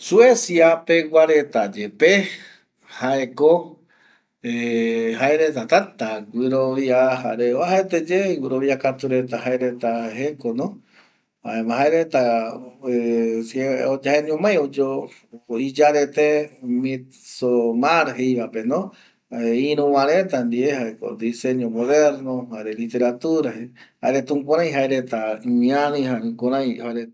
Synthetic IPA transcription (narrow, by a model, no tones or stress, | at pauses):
suesiapeɡaɾet̪ad͡ʒepe | haʔeko | ehaeɾet̪at̪at̪aɡʷɨɾoβiaɦaɾeoaɦaet̪ed͡ʒeɡʷɨɾoβiakat̪uɾe̞t̪aɦaeɾet̪aɦekonõ | aemãɦaeɾet̪a | seod͡ʒaheɲõmãj̃od͡ʒo | id͡ʒaɾet̪emi | somaɾɦejβapenõ | eĩɾũwãɾẽt̪and̪iehaeko̰d̪iseɲõmoðeɾnohaɾelit̪e̞ɾat̪uɾahehaeɾet̪ũŋpõɾãj̃ɦaeɾet̪aimĩaɾĩhɦaɾẽkõɾãj̃haɾe